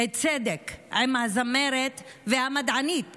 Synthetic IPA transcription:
et͡sed̪ekʔemhazameɾet̪ | vehamad̪ʕanit̪̚

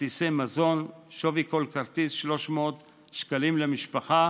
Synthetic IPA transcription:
isemazo̞nʃoviko̞lkaʁt̪isʃlo̞ʃmot̪ | ʃkalimlemiʃpaχa

